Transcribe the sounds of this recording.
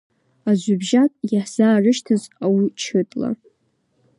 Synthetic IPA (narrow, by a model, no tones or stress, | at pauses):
azʷʊbʒakʼjaħz̥aːrɨʃtʰɨzawit͡ʃʰɨtʼla̰